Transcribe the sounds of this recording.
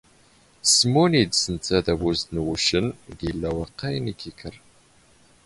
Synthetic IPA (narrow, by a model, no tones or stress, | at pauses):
smoniːdsɨnt͡sʰɐdɐbuznɨwʊʃɪnɡiɮɐwɐqɐjnikʰikʰɐr